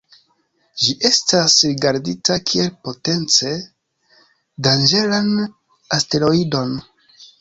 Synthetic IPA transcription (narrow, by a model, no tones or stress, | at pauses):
d͡ʒiʔe̞stasɾiɡaɾditakʰie̞lpo̞te̞nt͡se̞ | dand͡ʒe̞lan | aste̞lo̞ido̞n